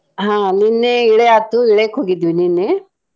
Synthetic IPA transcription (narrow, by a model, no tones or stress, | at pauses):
ɦãːninːeiɭeaːt̪uiɭekɦoːɡid̪ʋininːe